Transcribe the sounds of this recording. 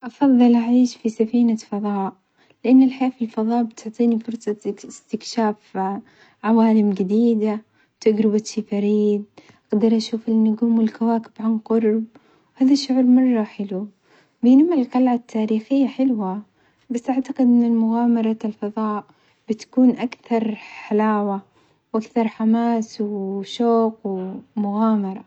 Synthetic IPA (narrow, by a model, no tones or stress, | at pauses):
ʔɑfɑðˤːɨlʔaʕiːʃfisafiːnafɑðˤɑːʔ | lɪʔanːalħajaːfilfɑðˤɑːʔbɪt̪ʊʕt̪ˤiːnifʊɾˤsˤɑɪst̪ɪkʃaːf | ʕawaːlɪmɡad̪iːd̪a | t̪aɡɾɪbat̪ʃifɑɾiːd̪̚ʔaɡd̪ɑɾˤʔaʃuːfanːʊɡuːmwɪlkawaːkɪ̥b̥ʕanqʊɾˤb̚ | haːðaʃːʊʕʊɾmɑrˤːɑħɪlu | bjnamːallqɑlʕat̪ʰːaːɾiːxɪjːaħɪlwa | basːʔaʕt̪aqɪd̪ʔɪnːalmʊɣaːmɑɾˤɑlfɑðˤɑːʔ | b̥ɪt̪kuːnʔakθɑɾˤħalaːwa | wʔakθɑɾˤħamaːswʃoːqwmʊɣaːmɑɾˤɑ